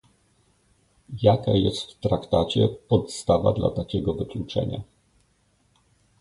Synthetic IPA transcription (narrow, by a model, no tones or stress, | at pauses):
jakajɛst̪ft̪ɾakt̪at͡ɕɛpɔt̪st̪ava̰d̪la̰t̪akʲɛɡɔvɘklut͡ʂɛ̰ɲa̰